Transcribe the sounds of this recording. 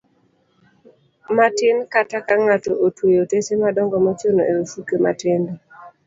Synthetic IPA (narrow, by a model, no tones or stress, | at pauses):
matɪnkatakaŋatoʔotwojotesemadɔŋɡɔmɔt͡ʃonoeɾusukema̰tɪndɔ